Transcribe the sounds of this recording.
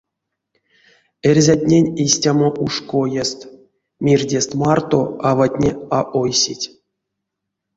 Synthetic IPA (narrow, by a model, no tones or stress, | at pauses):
erʲzʲatʲnʲenʲisʲtʲamoʔuʂkojest̪ | mʲirʲdʲest̪mɑrt̪o̰avatʲnʲeaʔojsʲitʲ